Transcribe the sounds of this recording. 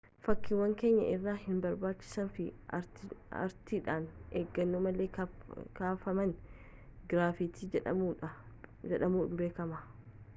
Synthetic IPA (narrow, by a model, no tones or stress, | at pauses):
fɐkːɪwɐŋke̞ːɲːɐ̰ʔɪrːaːhɪnbɐɾbaːt͡ʃːɪ̥sɐnfɪ | ɐ̰ɾt̪iːᶑaːnḛːɡːɐnːoːmɐleːkaːfɐmɐn | ɡɪɾaːfit̪iːd͡ʒɛᶑɐmuːᶑɐ | d͡ʒɛᶑɐmuːmbeːkɐmɐ